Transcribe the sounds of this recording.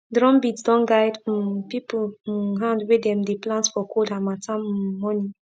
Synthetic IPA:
dɾɔ̃mbitsdɔ̃nɡajd̩pipuɦãndwedɛ̃mdeplãntfɔkodamatʰãmmɔni

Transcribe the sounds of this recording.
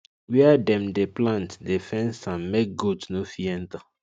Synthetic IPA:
wiadɛ̃mdeplãntdefɛ̃nsãmmek̚ɡudsnofiɛ̃nta

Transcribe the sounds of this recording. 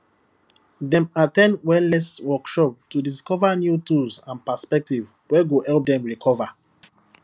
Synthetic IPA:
dɛ̃matɛ̃ndwɛlnɛswɔkʃɔp̚tudiskɔvanjutuzãnpaspɛk̚tiv | wɛɡohɛlp̚dɛ̃mɹikʰɔva

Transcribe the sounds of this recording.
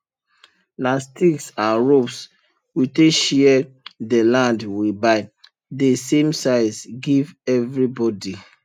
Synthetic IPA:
lastiksãnɹops | witeʃiɛ | dəlãndwibaɪ | desẽmsaɪsɡivɛvɹibɔdi

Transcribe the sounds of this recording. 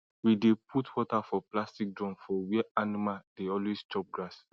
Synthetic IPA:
widepʰutwɔtafɔplastik̚dɹɔ̃nfɔwɛanimaldeɔlwestɔp̚ɡɹas

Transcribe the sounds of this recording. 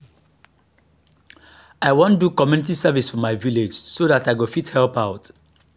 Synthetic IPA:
aɪwɔ̃ndukɔmjunitisavisfɔmaɪviled͡ʒsoðataɪɡofithɛlpaʊt

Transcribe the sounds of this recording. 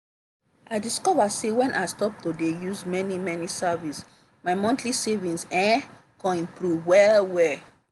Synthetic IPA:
ʔaɪdiskɔvasewɛ̃nʔaɪstɔp̚todejuzmɛnimɛnisavis | maɪmɔ̃ntʰlisevĩnsɛ̃ | kɔ̃ĩmpɹuvwɛlwɛ

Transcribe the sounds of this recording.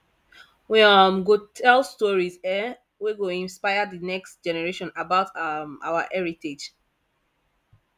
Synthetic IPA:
wiʌmɡotʰɛlstɔɹizɛ | wiɡoĩnspaɪədənɛkstd͡ʒɛnɛɹeʃɔ̃nabaʊtʌma̰waʔɛɹited͡ʒ

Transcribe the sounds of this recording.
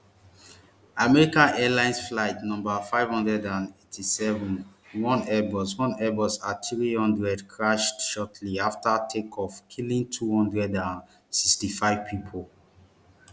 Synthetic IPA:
amɛɹikãnɛlãɪ̃nsflaɪtnɔ̃mbafaɪv̥hɔ̃ndɹɛdãnetʰisɛvũn | wɔ̃nɛbɔswɔ̃nɛbɔsatɹihɔ̃ndɹɛdkʰɹaʃtʃɔtʰliaftatʰekʰɔfkʰilĩntʰuhɔ̃ndɹɛdãn | sikstifaɪv̥pʰipʰol

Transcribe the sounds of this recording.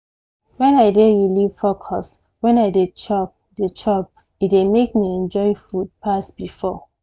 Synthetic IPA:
wɛ̃naɪdeɹilifɔkʰɔs | wɛ̃naɪdet͡ʃɔp̚det͡ʃʰɔp̚ | idemekmiɛ̃nd͡ʒɔɪfud̚pʰasbifɔ

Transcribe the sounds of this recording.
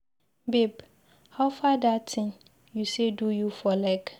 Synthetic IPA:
beb | haʊfadatʰɪ̃ŋ | jusedujufɔlɛɡ

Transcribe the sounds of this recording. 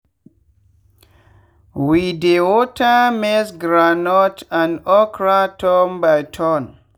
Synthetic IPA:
widewotamesɡɾanɔtãnɔkɾatʰɔmbajtʰɔn

